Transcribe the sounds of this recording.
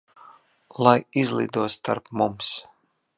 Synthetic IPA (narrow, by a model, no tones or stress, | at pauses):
lˠajizlˠḭːd̪uɔst̪a̰ɾpmums